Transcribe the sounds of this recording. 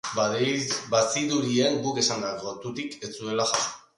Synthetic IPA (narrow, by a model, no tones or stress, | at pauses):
basiðuɾieŋɡuke̞sand̪akot̪ut̪iket͡sue̞laxasu̥